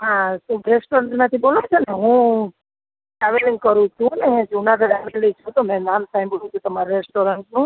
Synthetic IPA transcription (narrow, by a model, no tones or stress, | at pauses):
ɦãsuɾesʈoɾəɳʈnat̪ʰibolõt͡ʃʰeneɦũ | ʈaʋeliŋɡkəɾũt͡ʃʰũnẽd͡ʒunak̪əɖaʋelit͡ʃʰũt̪omɛ̃namt̪ʰãj̃bəɽũt͡ʃʰũt̪əmaɾɾesʈoɾəɳʈnũ